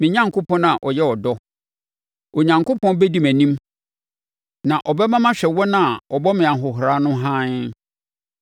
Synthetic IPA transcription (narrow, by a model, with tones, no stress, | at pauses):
mɪ̃˨ɲã˦ŋkʰo˦pʰɔ̃˦nã˨ʔɔ˨jɛ˦ɔ˨dɔ˦ | o˨ɲã˨ŋko˦pʰɔ̃˦bɛ˦di˦mæ̃˨nĩ˦m | nã˨ʔɔ˨bɛ˦mã˦mã˦ɕᶣɛ˨wɔ˦nã˦˨ɔ˨bɔ˦mɪ̃˨a˨ɦʊ˨ɦɾa˦nʊ̃˦ɦã˦n